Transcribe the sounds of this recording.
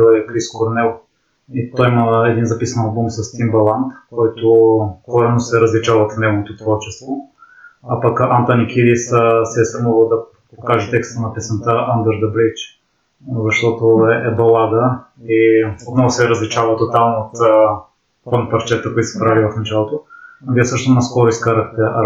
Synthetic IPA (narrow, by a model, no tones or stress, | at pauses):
ɛkɾiskoɾnɛlˠ | it̪ɔjiməɛd̪inzɐpisənɐlˠbumsɐst̪imbɐlˠant̪kɔjt̪oxkɔɾɛnosɛɾəzlit͡ʃavəfnɛɡovot̪ot̪vɔɾt͡ʃɛst̪vo | apɐkant̪anikʰid̪issɛɐst̪ɾɐmuvəlˠd̪ɐ | pokaʒɛt̪ɛkst̪ənɐpɛsənt̪əʔand̪ɛɾd̪ɐblit͡ʃ | zɐʃt̪ɔt̪oɛɛbɐlˠad̪ə | iot̪nɔvʊsɛɾəzlit͡ʃavət̪ot̪alˠnot̪ | fɔnpɐɾt͡ʃɛt̪əkoit̪o̥sɛpɾalʲivɐfnɐt͡ʃalˠot̪oviɛsɤʃt̪onɐskɔɾʊiskaɾəxt̪ɛʔɐ